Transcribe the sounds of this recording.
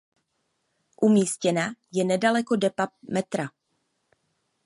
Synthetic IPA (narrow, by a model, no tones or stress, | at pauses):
ʔumiːscɛnajɛnɛdalɛkodɛpamɛt̪ɾa